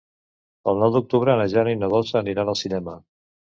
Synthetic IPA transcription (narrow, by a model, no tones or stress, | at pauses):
əlˠnɔwd̪uk̚t̪uβɾənəʒanoinəðɔsəːniɾanəlˠsinɛmə